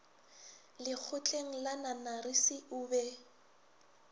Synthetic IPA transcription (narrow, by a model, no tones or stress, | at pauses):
lɪk͡xʰʊt͡ɬʼeŋ̩lananarɪsɪʊːbɛ